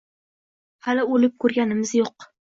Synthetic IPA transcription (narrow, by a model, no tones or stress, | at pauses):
halɪolɪp̚kʰɵɾɡʲanɪmɪzjoq